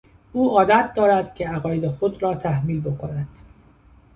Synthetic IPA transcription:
uːɒːd̪æt̪̚ʰd̪ɒːɾæd̪̥cʰe̞æɣɒːjed̪e̞xod̪ɾɒːt̪ʰæhmiːlbo̞kʰonæd̪̥

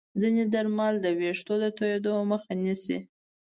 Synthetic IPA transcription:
zined̪aɾmɑld̪əweʂt̪od̪ət̪ojed̪oməxanisḭ

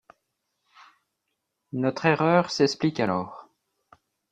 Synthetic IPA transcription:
nɔt̪χeʁœːʁsɛsplikalɔːʁ

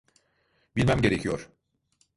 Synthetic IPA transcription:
bilʲmæmɟe̞ɾecʰijoɾ

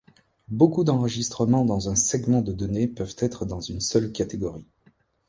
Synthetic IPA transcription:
bokud̪ɑ̃ʁəʒist̪χəmɑ̃d̪ɑ̃zɛ̃sɛɡmɑ̃d̪əd̪ɔnepœvt̪ɛt̪χəd̪ɑ̃zynsœlkat̪eɡɔʁi

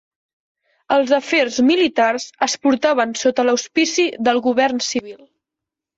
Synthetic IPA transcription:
əlˠzəferzmilit̪arzəspuɾt̪aβ̞ənsot̪ələuspisiðəlˠɣuβ̞ɛrnsiβ̞il

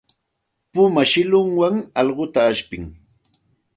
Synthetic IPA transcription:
pʊmaʃɪlʊŋwaŋɑʎɢʊt̪aːʃpɪŋ

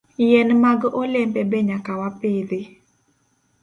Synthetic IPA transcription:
jɛnmaɡɔlɛmbɛbɛɲakawapɪd̪ɪ

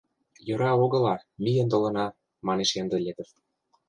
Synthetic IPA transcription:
jɤ̆ɾɑoɣɤ̆lɑmʲijə̆nt̪olɤ̆nɑ | mɑneʃend̪ə̆lʲed̪ə̆t

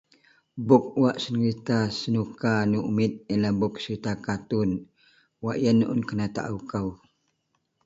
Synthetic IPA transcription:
bʊk̚uwaʔsənɾit̪asənukanuumit̪̚ilabʊk̚səɾit̪akat̪un | waʔjənʔʊ̰nkənat̪a̰ʔaukaw

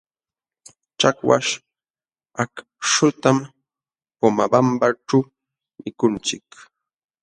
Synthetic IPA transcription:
t͡ʃakwa̰ʃ | ak | ʃʊt̪am | pomabambaʈ͡ʂa | mɪkʊnt͡ʃɪk

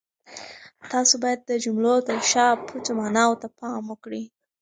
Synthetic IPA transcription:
t̪ɑsobɑjad̪̚ːəd͡ʒumlot̪əʃɑpʰut͡somɑnɑwt̪apɑməkɽi

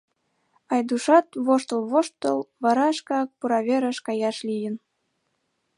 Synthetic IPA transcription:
ɑjd̪uʃɑt̪βoʃt̪əlβoʃt̪ːəlβɑɾɑʃkɑk̚puɾɑβʲeɾəʃkɑjɑʃlʲijə̆n

